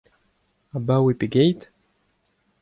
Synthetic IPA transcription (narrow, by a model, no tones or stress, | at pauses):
abawepeɡejt̪